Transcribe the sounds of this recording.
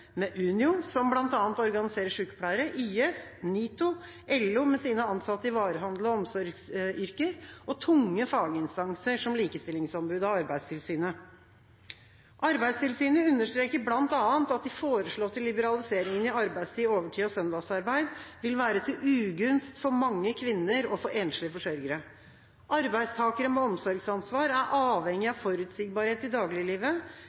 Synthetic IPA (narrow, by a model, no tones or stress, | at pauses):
mɛʔʉːnɪʊsɔmblɑnt̪ɑːnt̪ɔɾɡɑnɪseːɾəʂʉːkə̥pʰɽæɪəɾəʔyːɛsniːt̪ʊ | ʔɛlːʊmɛsiːnəɑnsɑt̪ːəɪʋɑːɾəɦɑnd̪l̩ɔɔmsɔɾɡsʏɾkəɾʔɔt̪ʰʊŋːəfɑːɡəɪnst̪ɑŋsəʂɔmliːkəst̪ɪlɪŋsɑnbʉːd̪ɑʋɑɾbæɪd̪st̪ʰɪlsyːnə | ʔɑɾbæɪd̪st̪ʰɪlsyːnəʉnːəʂʈ̪ɾeːkəblɑnt̪ɑːənt̪ɑt̪̚d̪ɪfoːɾəʂɭoːt̪ʰːɪlːɪbəɾɑlɪseːɾɪŋənɪɑɾbæɪd̪st̪ʰiːoːʋəʈʰiːɔsœnd̪ɑsɑɾbæɪd̪ʋɪlʋæːɾət̪ʰɪlʉːɡʉnst̪fɔɾmɑŋːəkʰʋɪnːəɾɔfɔɾʔeːnʂlɪfɔʂœɾɡəɾə | ʔɑɾbæɪd̪st̪ʰɑːkəɾəmɛɔmsɔɾɡsɑnsʋɑːɾæɾʔɑːʋhɛŋːɪɑʋfɔɾʉːt̪siːɡ̚bɑːɾheːt̪ɪd̪ɑːɡlɪliːʋə